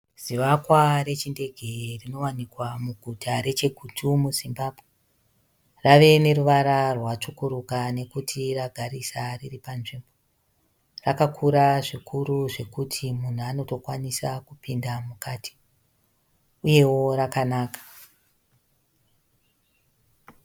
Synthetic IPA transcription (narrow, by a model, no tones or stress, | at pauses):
z̥iʋakware̞t͡ʃinde̞ɡʱerino̞wanikwamuɡʱutʰaɾe̞t͡ʃe̞ɡʱutʰumuzimbabʱwe | raʋe̞ne̞ɾuʋaɾarwat͡ʂukuɾukane̞kutʰiraɡʱaɾisariripanʐimbo | rakakʰuɾaʐikʰuɾuʐe̞kutʰimun̤uano̞to̞kwanisakupindamukati̥ | uje̞wo̞ɾakanaːkḁ